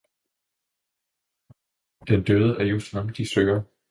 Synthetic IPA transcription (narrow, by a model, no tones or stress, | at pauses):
d̥end̥øð̞ˠəʔæɐjo̝snɑmd̥isø̥ɐ